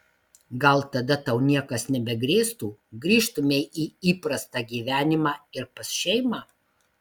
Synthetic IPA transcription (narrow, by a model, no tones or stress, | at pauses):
ɡɐlˠt̪ɐd̪ɐt̪ɐʊnʲiɛkɐsnʲɛbʲɛɡɾʲeːst̪uːɡɾʲiːʃt̪ʊmʲeʔiːiːpɾɐst̪ɑɡʲiːʋʲæːnʲɪmɑːɪɾpɐsʃʲɛɪmɑː